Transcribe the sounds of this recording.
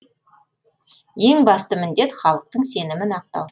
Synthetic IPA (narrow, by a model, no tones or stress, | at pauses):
je̞ŋbɑst̪əmɪnd̪e̞t̪χɑlˠəq̚t̪əɴse̞nɪmɪnɑq̚t̪ɑ̰w